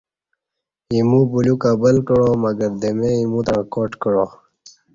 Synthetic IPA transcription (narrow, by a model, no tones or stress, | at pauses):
imũbulukabəlkəɽoməɡəɾd̪emeimũt̪aɳkoːʈkəɽo